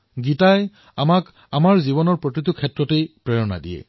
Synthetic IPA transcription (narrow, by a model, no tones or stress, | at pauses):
ɡitaj | amak | amaɹziβɔnɔɹpɹotɹitukʰɛtɹɔtejpɹɛɹɔna̰dḭjɛ̰